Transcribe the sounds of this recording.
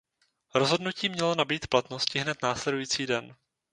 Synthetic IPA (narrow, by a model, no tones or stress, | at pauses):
ɾo̞zɦo̞dnuciːmɲɛlo̞nabiːt̪plat̪no̞scɪɦnɛt̪naːslɛdujiːt͡siːdɛn